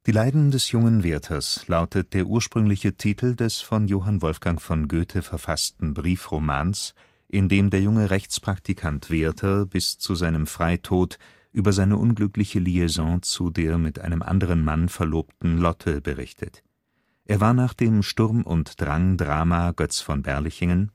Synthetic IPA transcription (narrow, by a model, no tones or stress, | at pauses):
d̥iːlaɪdn̩dɛsjʊŋənveːɐtʰɐslaʊtʰət̚d̥eːɐʔuːɐʃpʁ̥ʏŋlɪçətʰiːtʰl̩dɛsfɔnjoːɦanvɔlfɡ̥aŋfɔnɡøːtʰəfɛɐfastn̩bʁiːfʁoma̰ːns | ʔɪndeːmdeːɐjʊŋəʁɛçt͡spʁ̥ak̚tikʰantv̥eːɐtʰɐb̥ɪst͡suzaɪnəmfʁ̥aɪtʰoːt | ʔyːbɐzaɪnəʔʊnɡlʏklɪçəliezɑ̃t͡sudeːɐmɪtʔa̰ɪnəmʔa̰ndəʁ̞ənmanfɛɐloːptn̩lɔtʰəbəʁɪ̰çtʰət | ʔeːɐvaːɐnaːχd̥eːmʃtʊʁmʊ̰ntd̥ʁaŋdʁaːmaɡ̥œt͡sfɔnbɛ̰ɐlɪçɪŋən